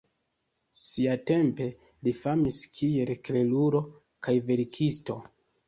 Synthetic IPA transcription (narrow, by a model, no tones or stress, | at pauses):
siate̞mpe̞ | lifamiskʰie̞lkle̞luɾo̞ | kajve̞ɾikʰisto̞̰